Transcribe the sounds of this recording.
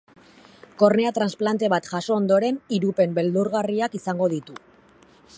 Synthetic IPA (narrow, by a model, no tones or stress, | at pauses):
ko̞ɾne̞at̪ɾansplant̪e̞βat̪ʝaso̞ːnd̪o̞ɾe̞niɾupe̞mbe̞ld̪uɾɣariakisaŋɡo̞ðit̪u